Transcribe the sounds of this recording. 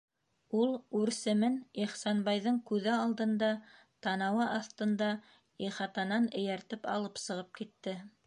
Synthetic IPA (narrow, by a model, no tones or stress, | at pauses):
ulˠʉɾsɘ̆mɘniχsɑnbɑjðɤɴkʉðɘɑlˠd̪ɤ̆nd̪ɑ | t̪ɑnɑwɑʔɑθt̪ɤ̆nd̪ɑ | iχɑt̪ɑnɑnɘ̆jæɾt̪ɘpɑ̰lˠɤpsɤ̆ʁɤp̚kit̪ːɘ